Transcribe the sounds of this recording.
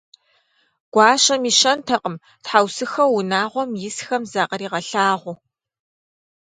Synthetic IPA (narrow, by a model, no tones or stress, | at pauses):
ɡ̥ʷɑːɕɐmiːʃɐntʰɐqəm | tħawsɨxɐwʊnaːʁʷɔmjɪsxɐmzaːqɐɾiːʁɐɬaːʁʷʊ